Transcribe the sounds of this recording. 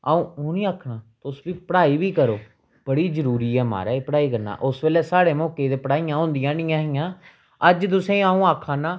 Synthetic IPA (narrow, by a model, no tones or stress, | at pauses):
aːũːoːnĩːaːkʰːnaːt̪ːʊsbiːpəɽaːiːʋiːkəɾoː | b̥əɽiːzəɾuːɾiːɛːma̰ːɾaːiːpəɽaːiːkəɾna̰ːʔʊsʋeːlɛːsaːɽeːmɔːkeːd̪eːpəɽaːijãːɦõːnd̪ɪjãːnɪ̃ːãːɦɪjãː | əd͡ʒt̪ʊsẽːaːũːaːkʰːãːnaː